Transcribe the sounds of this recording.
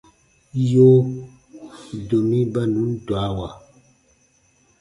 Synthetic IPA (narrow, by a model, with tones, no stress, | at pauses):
jo˦ | do˨mi˦ba˦nu˨˦n˦dwa˨˦wa˨